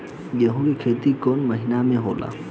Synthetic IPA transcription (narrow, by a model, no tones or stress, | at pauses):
jɐɦũkikʰeːt̪ikoːnməɦɪnamẽɦoːla̰ː